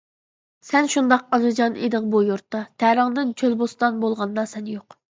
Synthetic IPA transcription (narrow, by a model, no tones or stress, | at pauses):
sɛnʃund̪ɑqɑzɨd͡ʒɑnḛd̪ɪŋbujuɾt̪ːɑt̪ʰæɾəŋd̪ɪnt͡ʃʰølbost̪ɑnbolˠʁɑnd̪ɑsɛnjoq